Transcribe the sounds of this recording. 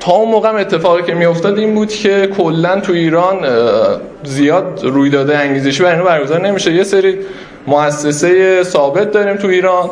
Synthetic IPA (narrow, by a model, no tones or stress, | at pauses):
t̪ʰɒːunmoːɣeæme̞t̪ʰːe̞fɒːɣiːcʰe̞mijo̞ft̪ɒːd̪iːmbuːd̪̥cʰe̞kʰolːænt̪ʰuiːɾɒːn | zijɒːd̪ruːjd̪ɒːd̪eæŋɟiːze̞ʃiːbæɾinɔbæɾɡozɒːɾne̞miʃe̞jese̞ɾiː | moæsːe̞se̞jesɒːbe̞t̪̚d̪ɒːɾiːmt̪ʰuiːɾɒːn